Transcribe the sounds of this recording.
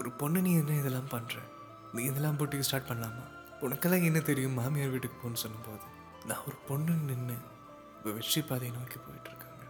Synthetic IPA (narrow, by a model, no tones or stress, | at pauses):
ɔɾɯpɔɳːɯniːɛnːɐɪðɛlːaːmpɐnːɾẽː | nĩːɪðɛlːãːmp̬oːʈːɪkːɯsʈaːɾʈ̚pɐɳːaːma̰ː | ʊnɐkːɐlːãːɛnːɐt̪ɛɾɪjɯ̃mːaːmɪjaːɾʋiːʈːɯkːɯ̥pːoːnːɯsɔnːɯmpoːðɯ | nã̰ːɔɾɯpɔɳːɯnnɪnːɯ | ɪpːɐʋɛt͡ʃːipːaːðɐjɐnɐɐkːipo̰ːjɪʈːɪɾɯkːaːŋɡɐ